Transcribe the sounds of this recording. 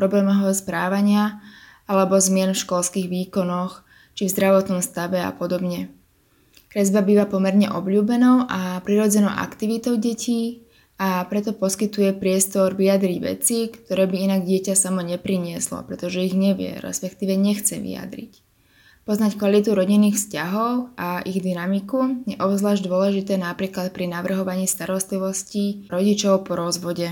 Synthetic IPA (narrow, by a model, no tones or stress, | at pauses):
pɾɔblɛːmɔɦɔspɾaːʋaɲɪaalɛbɔzmɪɛnfʃkɔlskiɣʋiːkɔnɔx | t͡ʃivzd̪ɾaʋɔt̪nɔmst̪aʋɛa̰pɔd̪ɔbɲɛ | kɾɛzbabiːʋapɔmɛɾɲɛʔɔbʎuːbɛnɔʊʔapɾiɾɔd͡zɛnɔʊʔa̰kt̪iʋit̪ɔʊɟɛciː | apɾɛt̪ɔpɔskit̪ujɛpɾɪɛst̪ɔɾʋiad̪ɾiɟʋɛ̰t͡sikt̪ɔɾɛːbiinaɡɟɪɛcasamɔɲɛpɾiɲɪɛslɔ̰pɾɛt̪ɔʒɛiɣɲɛʋɪɛ̰ɾɛ̰spɛkt̪iːʋɛɲɛxt͡sɛʋḭa̰d̪ɾḭc | pɔznackʋalit̪̬uɾɔɟinːiːxfscaɦɔʊaʔiɣd̪inamikujɛʔɔbzlaːʒɟd̪ʊɔlɛʒit̪ɛːnapɾiːklat̪̚pɾinaʋr̩ɦɔʋaɲiːst̪aɾɔst̪liʋɔsciɾɔɟit͡ʃɔʊpɔɾɔzʋɔɟɛ